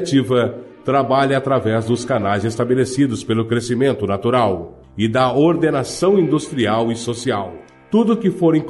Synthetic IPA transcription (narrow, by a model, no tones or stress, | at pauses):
t͡ʃivɐt̪ɾabaʎɐat̪ɾavɛzd̪ʊskanajzest̪abelesid̪ʊspelʊkɾesimẽnt̪ʊnat̪uɾaw | ɪd̪ɐoɾd̪enasɐ̃w̃ĩnd̪ust̪ɾiawɪsosiaw | t̪ud̪ʊkɪfoɾẽk